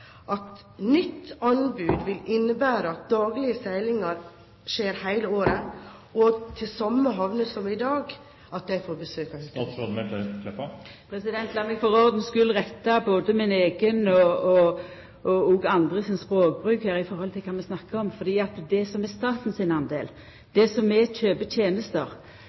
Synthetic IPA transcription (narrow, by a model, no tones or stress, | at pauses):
ʔɑt̪ | nʏt̪ːɑnbʉːd̪ʋɪlɪnːəbæːɾəɑt̪̚d̪ɑːɡlɪəsæɪlɪŋɑɾ | ʂeːɾhæɪləoːɾə | ɔt̪ʰɪlsɑmːəɦɑʋnəsɔmɪd̪ɑːɡ | ɑt̪̚d̪æɪfoːɾbəsøːkɑh̪ɔd̪mɛk̪ɛkʰlɛpːɑpʰɾɛsɪd̪ɛnt̪lɑmɛɡfɔʁɔʁd̪n̩skʉlːʁɛt̪ːɑboːd̪əmɪneːɡənɔɔ | ʔɔoːɡɑnd̪ʁəsɔnspɾoːɡ̚bʁʉːkhəɾɪfɔɾhɔlt̪ʰɪlkʰɑːmɛsnɑkːəɔmfɔd̪iːɑt̪d̪ɛsɔmɛst̪ɑːt̪n̩sɪnɑnd̪ḛːl | d̪̥ɛsɔmɛt͡ʃøːbət̪ʰjeːnəst̪əʁ